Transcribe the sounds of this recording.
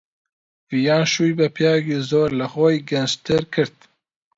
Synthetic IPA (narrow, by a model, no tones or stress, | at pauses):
jɑːnʃujbɛpʰjɑːɡizoːɾləxɔjɡɛnst̪ʰɨɾkʰɨɾt̪̚